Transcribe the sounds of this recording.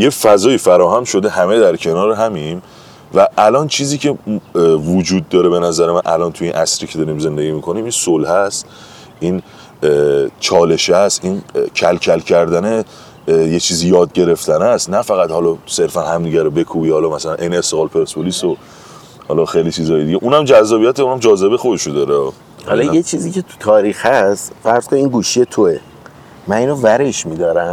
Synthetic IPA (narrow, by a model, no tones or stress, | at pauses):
jefæzɒːiːfæɾɒːɦæmʃo̞d̪ehæmed̪æɾcʰe̞nɒːɾeɦæmim | væʔælɒːnt͡ʃʰiːziːcʰe̞vud͡ʒuːd̪̚ːɒːɾebe̞næzæɾemænʔæ̰lɒnt̪ʰujinʔæsɾiːcʰe̞d̪ɒɾiːmze̞nd̪e̞ɟiːmiːkʰo̞nimiːnsolhæst̪ | ʔiːn | t͡ʃʰɒːle̞ʃæst̪ʔincʰælcʰælcʰæɾd̪æne | jet͡ʃʰiːzijɒːd̪̚ɟe̞ɾe̞ft̪ʰænæst̪næfæɣæd̪hɒlɒse̞ɾfænhæmd̪iːɟæɾobe̞kʰubihɒlɒːmæsælænʔejneːst̪eɣɒːlpʰeɾspʰoliso | hɒ̰lɒxejlit͡ʃʰizɒːjed̪iɟeʔuːnæmd͡ʒæzːɒːbijæt̪ʰeũnæmd͡ʒɒːze̞bexo̞d̪eʃod̪ɒːɾeɒ | hɒlɒjet͡ʃʰiːziːcʰet̪ʰu̥t̪ʰɒːɾiːxhæst̪fæɾz̥kʰoniinɡuːʃije̞t̪ʰoe | mæniːnovæɾeʃmid̪ɒːɾæm